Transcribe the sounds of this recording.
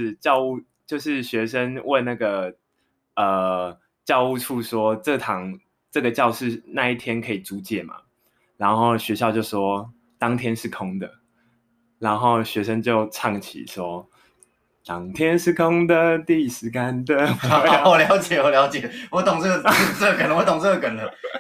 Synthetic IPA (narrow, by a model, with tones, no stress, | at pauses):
t͡ɕjɑ˥˧ʊu˥˧ | t͡ɕjo˥˧ʊʂɻ̩˥˩ɕɥɛ˧˥ʂə˦nwʔe˥˧ɪna˥˩ɡə˩ | ə˩ | t͡ɕjɑ˥˧ʊu˥˧ʈ͡ʂʰu˥˧ʂwɔ˥ʈ͡ʂɤ˥˩t̪ʰɑ˧˥ŋ | ʈ͡ʂɤ˥˩ɡə˩t͡ɕjɑ˥˧ʊʂɻ̩˥˧˩na˥˧i˥˩t̪ʰjɛ˥nkʰɤ˧˥i˨˩t͡su˧˥t͡ɕjɛ˨˩ma̰˨˩ | ɻa˧˥nxo˥˩ʊɕɥɛ˧˥ɕjɑ˥˧ʊt͡ɕjo˥˩ʊʂwɔ˥ | t̪ɑ˥ŋt̪ʰjɛ˥nʂɻ̩˥˩kʰʊ˥ŋd̪ə̰˨˩ | ɻa˧˦nxo˥˩ʊɕɥɛ˧˥ʂə˦nt͡ɕjo˥˧ʊʈ͡ʂʰɑ˥˩ŋt͡ɕʰḭ˨˩ʂwɔ˦ | lɑ˨˩ŋt̪ʰjɛ˥nʂɻ̩˥˩kʰo˦˥ŋd̪ə˨t̪i˥˧˨ʂɻ̩˧˥ka˦˥nd̪ə˨ɔ˨ljɑ˨˧˥ʊt͡ɕjɛ˨˩wɔ˨˩ljɑ˧˥ʊt͡ɕjɛ˨˩wɔ˨˦t̪ʊ˨ŋt͡sə˥˩ə˧˩˨sə˥˧kə˨nə˧wɔ˧˦t̪ʊ˨ŋt͡sə˥˩ə˧˨kə˨nlə˧˦